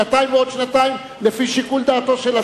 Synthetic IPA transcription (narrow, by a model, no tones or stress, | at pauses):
at̪aimveo̞d̪ʃnat̪aim | lefiʃikuld̪aːt̪oʃela